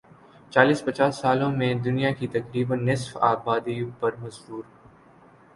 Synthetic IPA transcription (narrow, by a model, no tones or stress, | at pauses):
t͡ʃaːliːspɐt͡ʃaːsːaːlõmẽd̪ʊnijakit̪ɐkɾiːbənːɪsfaːbaːd̪ijõpɐɾmɐzbuːɾɦ